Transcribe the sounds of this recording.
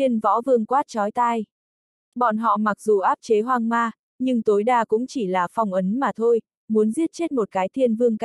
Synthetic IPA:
i˧ənvɔ̰˧˥vɨ˧əŋkwaː˦˥t̚t͡ɕɔ˨˦jt̪aː˧j | ɓɔ˧˨˩nɦɔ̰˧˨ma˨˩k̚zu˨˩ʔaː˦˥p̚t͡ɕe˨˦ɦwaː˧ŋmaː˧ | ɲɨ˧ŋt̪o˨˦jɗaː˧kʊ̰˧˥ŋ͡mt͡ɕi˧˩laː˨˩fa˨˩wŋ͡mʔə˨˦nmaː˨˩t̪ʰo˧j | mu˨˦ənzi˦˥ət̚t͡ɕe˦˥t̚mo˨˩t̚kaː˨˦jt̪ʰi˧ənvɨ˧əŋka˧˦

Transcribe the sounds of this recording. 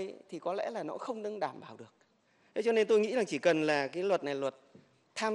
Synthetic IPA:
t̪ʰi˨˩kɔ˨˦lɛ̰˧˥laː˨˩nɔ̰˨˧˥xə˧wŋ͡mɗɨ˧ŋɗaː˧˩mɓaː˧˩wɗɨ˨˩ək̚ | t̪ʰe˨˦t͡ɕɔ˧ne˧nt̪o˧jŋḭ˧˥zaː˨˩ŋt͡ɕi˧˩kə˨˩nlaː˨˩kaː˨˦jlwə˨˩t̚na˨˩jlwə˨˩t̚ | t̪ʰːaː˧m

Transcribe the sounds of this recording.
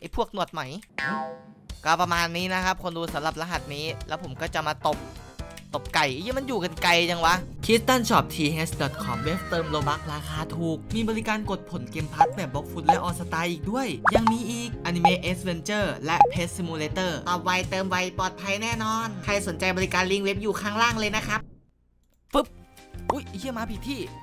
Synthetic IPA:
ʔa˨˩jpʰu˥˩ək̚nu˨˩ət̪̚ma˨˩˦jʔɯ˧˩kɔː˥˩pɾa˧maː˧nːiː˦˥na˦˥kʰa˦˥p̚kʰo˧nduː˧sa˨˩˦mɾa˨˩p̚la˧ɦa˨˩t̪̚niː˦˥lɛː˦˥wpʰo˩˦mkɔː˥˩t͡ɕa˨˩maː˧t̪o˨˩p̚t̪o˨˩p̚ka˨˩jʔji˧˥˩ma˧njuː˨˩ka˧nka˧jt͡ɕa˧ŋwa˦˥kʰi˦˥st̪a˥˩nt͡ɕʰɔː˨˩p̚t̪ʰiː˧ɦe˦˥sdɔː˨˩t̪̚kʰɔ˨˦mwe˦˥p̚t̪ɤː˧mɾoː˧ba˦˥k̚ɾaː˧xʰaː˧t̪ʰuː˨˩k̚miː˧bɔː˧li˦˥kaː˧nko˨˩t̪̚pʰo˩˦nkeː˧mpʰa˦˥t̪̚bɛː˨˩p̚bɔ˦˥k̚fʰuː˦˥t̪̚lɛ˦˥ʔɔː˧sa˧t̪aː˧ʔiː˨˩k̚du˥˩əjja˨˧ŋmiː˧ʔiː˨˩k̚ʔa˧ni˧meː˦˧ʔe˦˥swe˧nt͡ɕɤː˥˩lɛ˦˥ʔpʰeː˦˥ssi˧muː˧leː˧t̪ɤː˥˩t̪ɔː˨˩p̚wa˧jt̪ɤː˧mwa˧jpɔː˨˩t̪̚pʰa˧jnɛː˥˩nɔː˧nkʰa˧jso˨˩˦nt͡ɕa˧jbɔː˧li˦˥kaː˧nli˧˥˩ŋwe˦˥p̚juː˨˩kʰaː˥˩ŋɾaː˥˩ŋlɤː˧jna˦˥kʰa˦˥p̚ | fɯ˦˥p̚ʔuː˦˥˩ji˥˩maː˧pʰi˨˩t̪ʰiː˥˩

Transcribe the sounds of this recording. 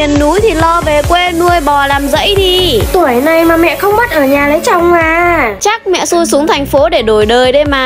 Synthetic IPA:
i˨˩ənːu˨˦jt̪ʰi˨˩lɔ˧ve˨˩kwe˧nu˧əjɓɔ˨˩laː˨˩mzə̰˧˥jɗi˧t̪u˧˩əjna˨˩jmaː˨˩mɛ̰˧˨xə˧wŋ͡mmə˦˥t̚ʔəː˧˩ɲaː˨˩lə˨˦jt͡ɕa˨˧˩wŋ͡maː˨˩t͡ɕa˦˥k̚mɛ̰˧˨su˧jsu˨˦əŋt̪ʰa˨˩jŋ̟fo˨˦ɗe˧˩ɗo˧˩jɗəː˨˩jɗe˧˩maː˨˩

